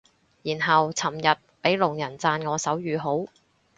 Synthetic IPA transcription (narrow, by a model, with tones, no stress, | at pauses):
jiː˨˩nɦɐ˨wt͡sʰɐ˨˩mjɐ˨t̚pe˨˥jlʊ˨˩ŋjɐ˨˩nt͡saː˧nŋɔː˨˧sɐ˨˥wjyː˨˧ɦo˨˥w